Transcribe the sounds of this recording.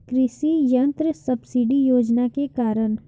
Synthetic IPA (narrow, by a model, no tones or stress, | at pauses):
kɾɪsijɐ̃nt̪ɾəsɐbsiɖijoːd͡ʒnakekaːɾəɳ